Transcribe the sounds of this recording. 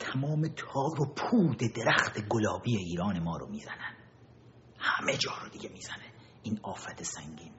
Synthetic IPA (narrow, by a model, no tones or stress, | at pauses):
t̪ʰæmɒːmet̪ʰɒːɾopʰuːd̪ed̪eɾæxt̪ʰe̞ɡolɒːbijeiːɾɒːne̞mɒːɾomiːzænæn | hæmed͡ʒɒːɾod̪iɡʲemiːz̥æne | iːnɒːfæt̪ʰesæŋɟiːn